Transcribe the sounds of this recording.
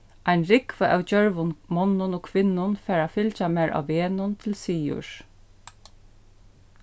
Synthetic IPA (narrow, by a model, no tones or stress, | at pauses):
ʔajnɹɪkʋəʔæwd͡ʒœɹʋʊnmɔnːʊnoːkʰʋɪnːʊnfɛːɹafɪlt͡ʃamɛːɹʔa̰ʋːeːnʊnt̪ʰɪlsiːʊ̰ɹ